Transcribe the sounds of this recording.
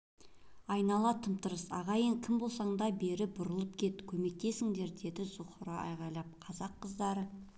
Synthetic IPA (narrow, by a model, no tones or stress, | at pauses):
ɑjnɑlˠɑt̪ʰəmt̪əɾəsɑ̰ʁɑjəɴkʲʰɪmbo̞lˠsɑɴd̪ɑbe̞ɾɪbʊɾəlˠəp̚kʲʰe̞t̪kʲʰɵme̞k̚t̪e̞sɪŋd̪e̞ɾd̪e̞d̪ɪzʊχəɾɑʔɑ̰jʁɑjlˠɑp̚qʰɑzɑqːəzd̪ɑɾə